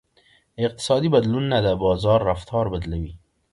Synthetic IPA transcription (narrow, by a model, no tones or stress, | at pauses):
ɪq̚t̪ɪ̥sɑd̪ibad̪lunːad̪əbɑzɑɾːaft̪ʰɑɾbad̪lawi